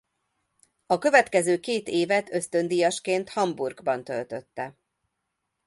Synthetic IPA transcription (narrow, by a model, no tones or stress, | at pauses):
ɒkø̞vɛt̪kɛzøːkeːt̪eːvɛt̪ʰø̞st̪ø̞nd̪ijɒʃkeːnt̪hɒmburɡbɒnt̪ø̞lt̪ø̞t̪ːɛ